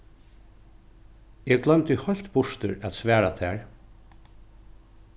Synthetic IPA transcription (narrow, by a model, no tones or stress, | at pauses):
ɛːɡɡlœmt̪ɪhɔl̥t̪bʊʂt̪əɹæt̪sʋæːɹat̪ʰæːɹ